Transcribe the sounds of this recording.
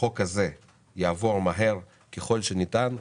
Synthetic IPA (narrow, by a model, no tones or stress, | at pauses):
o̞kaze̞ | jaːvo̞ʁmaɦe̞ʁ | keχo̞lʃenitan